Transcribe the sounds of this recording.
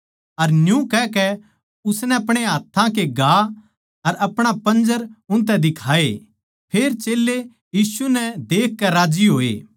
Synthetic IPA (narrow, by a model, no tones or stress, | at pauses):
ɐɾnjũkɛkɛ | ʊsnɛɐpɽ̃eɦaːt̪ʰːãk̬eɡʱaː | ɐɾɐpɽ̃apɐ̃nd͡ʒəɾʊ̃nt̪̬ɛd̪ɪkʰaːe | pʰeːɾt͡ʃeːlːe | jiːsunɛd̪eːkːɛɾaːd͡ʒiɦoːḛː